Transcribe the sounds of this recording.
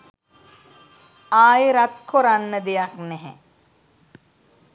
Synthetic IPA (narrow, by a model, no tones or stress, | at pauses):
aːjɾat̪̚kʰoɾanːəd̪ejaknɛɦɛ̰